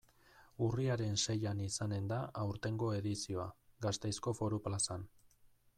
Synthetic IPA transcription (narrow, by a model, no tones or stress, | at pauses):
uriaɾe̞nse̞janisane̞nd̪aʔawɾt̪e̞ŋɡo̞e̞ðisio̞aɡast̪ejsko̞fo̞ɾuplasan